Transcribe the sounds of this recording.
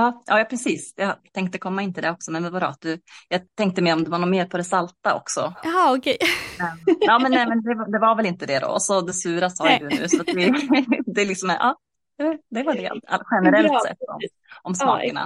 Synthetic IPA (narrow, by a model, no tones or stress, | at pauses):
ɑːʔɑ̰ːjɑːpʰɾɛsiːsjɑt̪ʰɛŋkt̪əkʰɔmːaɪnt̪ʰɪld̪ɛɔksɔmɛnvɛnvad̪ɾɔ̰at̪̚d̪ɵjɑːt̪ʰɛŋk̚t̪əmɛɾɔmd̪ɵvaɾnuːɾmeːɾpʰɔd̪ɛsalt̪aɔ̰ksɔ̰ɑɔkʰɛɛɑːmɛnɛmɛnd̪ɛvad̪ɛvaɾvɛlɪnt̪əd̪ɛd̪o̰ɔsɔd̪ɛsʉːɾasɑːjad̪ɵʉ̟̰ːsɔat̪vɪd̪ɛlɪksɔmʔɑː | d̪ɛd̪ɛvaɖɛ̰a̰ɧɛnəɾɛlt̪sɛ̰t̪ːɔ̰m | ʔɔmsmɑ̰ːkəna̰